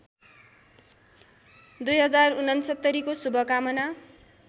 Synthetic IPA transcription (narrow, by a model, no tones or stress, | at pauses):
d̪ujɦʌd͡zarunʌnsʌt̪ːʌɾikosubʱʌkamʌna